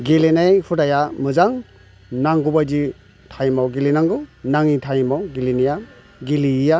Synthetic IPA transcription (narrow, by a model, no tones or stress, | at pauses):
ɡelenejhʰudajamɯzaŋ | naŋɡubajdi | tʰajmawɡilinaŋɡunaŋitʰajmawɡilinija | ɡiliija